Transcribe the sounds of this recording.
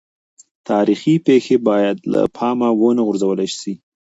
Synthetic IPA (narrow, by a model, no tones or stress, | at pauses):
t̪ɑɾixipexebɑjad̪la̰pʰɑmawonaɣʊɾzawəlajsi